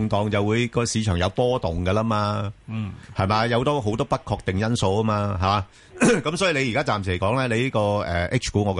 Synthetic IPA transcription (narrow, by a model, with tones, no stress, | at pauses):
ŋt̪ɔː˨ŋt͡sɐ˨wuː˨˧jkɔː˧siː˨˧t͡ʃʰœː˨˩ŋjɐ˨˧wpɔː˥t̪ʊ˨ŋkɐ˧lɐ˥maː˧ | hɐ˨jmaː˧jɐ˨˧wt̪ɔː˥ɦo˨˥wt̪ɔː˥pɐ˥t̚kʰɔː˧k̚t̪ɪ˨ŋjɐ˥nso˧wɐ˥maː˧ɦɐ˨˩maː˨˧ | kɐ˨˥msɔː˨˥jiː˨˧le˧jiː˨kaː˥t͡saː˨msi˨˩˨kɔː˨˥ŋlɛː˥le˨˧jli˥kɔː˧ɛː˨ʔɪ˥k̚t͡ʃʰkuː˨˥ŋɔː˨˧